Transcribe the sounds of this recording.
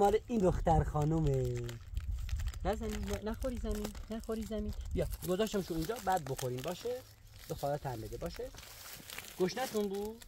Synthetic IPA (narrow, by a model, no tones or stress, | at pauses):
mɒːleind̪oxt̪æɾxɒːnome | næzæninænæxoɾizæminnæxoɾizæmibijɑɡozɒːʃt̪æmʃumiːnd͡ʒɒːbæːd̪̚boxoɾiːnbɒːʃe | b̥exɒːɾɑːt̪ʰæmbed̪ebɒːʃe | ɡ̥oʃnæt̪unbuːd̪̥